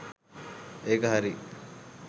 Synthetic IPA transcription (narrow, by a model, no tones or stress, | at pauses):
eːkɐɦaɾi